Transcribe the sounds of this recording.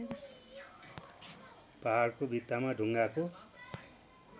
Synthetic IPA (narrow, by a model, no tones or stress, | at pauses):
paɦarkobit̪ːamaɖʱuŋɡako